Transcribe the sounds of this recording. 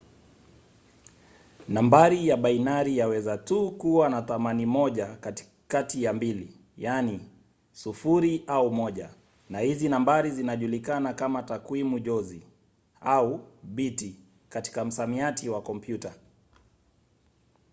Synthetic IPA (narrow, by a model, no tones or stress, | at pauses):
nambaɾijaɓainaɾijawɛzatukuwanaθamanimɔʄak | katijambili | jani | sufuɾiʔaumɔʄa | nahizinambaɾizinaʄulikanakamatakwimuʄɔzi | auɓiti | kati̥kam̩samiatiwakɔmpjuta